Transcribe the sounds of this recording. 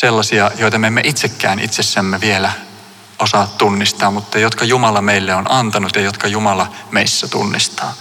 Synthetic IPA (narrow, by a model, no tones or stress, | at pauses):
selːɑsiɑjoit̪ɑmemːeʔit̪sekːæ̰ːnḭt̪sesːæmːeʋielæ | osɑːt̪t̪unːist̪ɑːmmut̪ːɑjot̪kɑjumɑlɑmeilːeonɑnt̪ɑnut̪jɑjot̪kɑjumɑlɑmeisːæt̪ṵnːist̪ɑː